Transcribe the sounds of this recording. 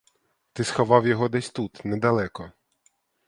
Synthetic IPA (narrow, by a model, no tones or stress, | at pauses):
t̪ɪsxɐʋɑwjɔɦɔd̪ɛsʲt̪ut̪nɛd̪ɐlˠɛkɔ